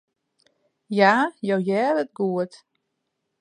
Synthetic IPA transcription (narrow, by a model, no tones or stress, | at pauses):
jaːjowjɛːdət̚ɡuət